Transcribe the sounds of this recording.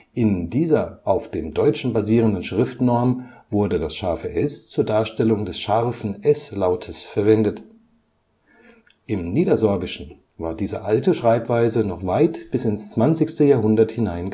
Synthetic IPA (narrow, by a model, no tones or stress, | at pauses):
ʔɪndiːzɐʔaʊfd̥eːmdɔʏt͡ʃn̩baziːʁ̞əndən̩ʃʁ̥ɪftnɔɐmvʊɐdədasʃaɐfəʔɛst͡suːɐdaːɐʃtɛlʊŋdɛsʃaʁfn̩ʔɛslaʊtʰəsfɛɐvɛndət | ʔɪmniːdɐzɔɐbɪʃn̩ | vaːɐdiːzəʔaltəʃʁ̥aɪpv̥aɪzənɔχv̥aɪtb̥ɪsɪnst͡sv̥ant͡sɪçstəjaːɐhʊndɐthɪnaɪnɡ